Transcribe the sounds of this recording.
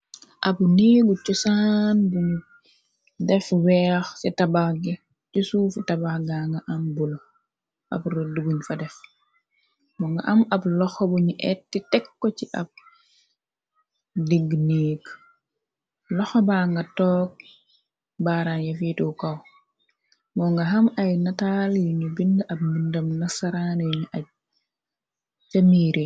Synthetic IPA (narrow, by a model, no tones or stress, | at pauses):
ʔɐbniːɡut͡ʃusaːnbuɲu | dɛfwɛːxsɛtɐbaxɡi | t͡ʃusuːfutɐbaxɡaŋɡaʔambulo | ʔɐ̰bɾuduɡuɲfɐdɛf | mɔŋɡɐʔɐmɐblɔxɔbuɲiʔɛtːitɛkːɔt͡ʃiʔɐb̚ | diɡniːk | lɔxɔbaːŋɡɐtɔːk̚ | baːɾanjɐfiːtuwkɐw | mɔŋɡɐɦɐmɐjnɐtaːljɲubindʔɐb̚mindɐmnɐsɐɾaːniɲuʔɐ | t͡ʃɐmiːɾi